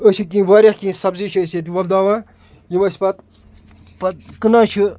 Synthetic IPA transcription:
əʃʰik̬ĩːʋaːɾʲɐhkʲĩːsɐbzit͡ʃʰəseːt̪̬̚ʲiʋɐb̚d̪aːʋaː | jimɐsʲpɐt̪ | pɐt̪kɨnaːt͡ʃʰɨ

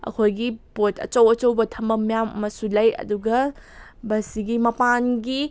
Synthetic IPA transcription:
ɐ̰kʰojɡipotʰɐ̰t͡ʃɐwɐt͡ʃɐwbɐtʰɐmbɐmijamːɐsulɐjɐ̰duɡɐ | bɐsiɡimɐpanɡi

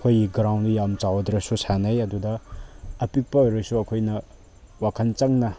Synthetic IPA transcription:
kʰojiɡɾawnijamt͡ʃawɐdɾɐsusʰanɐjɐdudɐː | pik̚pɐojɾɐsuɐkʰojnɐ | wakʰɐnt͡ʃaŋnɐ

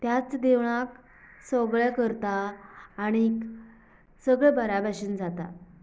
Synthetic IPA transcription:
t̪jat͡sd̪eʋɭ̃ak | sɔɡɭɛkəɾt̪aː | ɽ̃iːk | səɡɭɛbəɾabʱaɕiːnd͡zat̪a̰

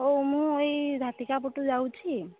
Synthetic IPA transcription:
omũejzʱat̪ikapoʈud͡ʒawt͡ɕʰi

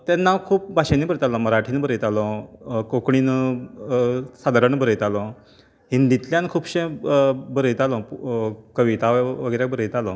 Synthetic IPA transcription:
t̪anːakʰuːp̚bʱaɕenibəɾət̪alɔ̃məɾaʈʰiːnbəɾəjt̪alɔkokɳ̃iːn | sad̪ʱaɾənbəɾəjt̪alɔ̃ | ɦind̪it̪ljãnkʰuːbɕẽbəɾəjt̪alɔ̃ | kəʋit̪aʋʋəɡəjɾjak̚bəɾəjt̪alɔ̃

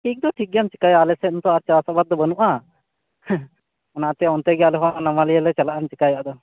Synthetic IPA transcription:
ʈʰik̚d̪ɔʈʰik̚ɡɛjamt͡ʃi̥kajalɛsɛt̪nt̪ɔaɾt͡ʃaasabad̪̚d̪ːɔbənuʔa | ɔnaʔt̪ɛɔnt̪ɛɡjalɛɦɔanamaliɛlɛt͡ʃalaʔant͡ʃikajaʔd̪ɔ

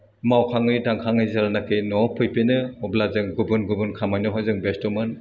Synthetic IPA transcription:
mawkʰaŋɯjdaŋkʰaŋɯjzaɾanakʰɯjnɔpʰɯjpenɯɔblazɯŋɡubunɡubunkʰamajnɯɦɔjzɯŋbestɔmɯn

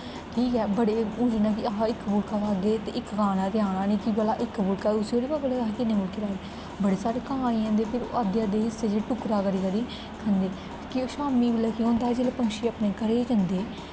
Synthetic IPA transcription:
ʈʰiːkɛːbəɽeːũːd͡ʒiːnãːk̬ɪaɦaːɪkːbʊlkaːɾaːd̪eːt̪eːʔɪkːkaːnaːt̪ɪjaːnaːnĩːkibəlaːʔɪkːbʊlkaːʊsioːɾiːbəbəlaːaɦːkɪnːẽːbʊlkeːɾaːeː | bəɽeːsaːɾeːkəɦãːiːɦɛ̃nd̪eːpʰɪɾo̰ʔad̪jaːd̪eːɦɪsːeːd͡ʒeːɽːʈʊkɾaːkəɾiːkəɾiː | kʰənd̪eː | kɪoːʃaːmiːbɪlɛːkiɦõːnd̪aːɦɛːd͡ʒeːlaːpəŋkʃiːəpnẽːkəɾeːd͡ʒənd̪eː

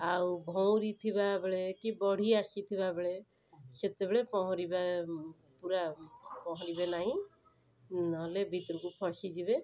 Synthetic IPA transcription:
awbʱɔwɾit̪ʰibabeɭekibɔɽ̤iasit̪ʰibabeɭe | set̪ebeɭepɔɦɔ̃ɾiba | puɾapɔɦɔɾibenaɦĩ | nɦɔlebʱit̪ɾɔkupʰɔsid͡ʒibe

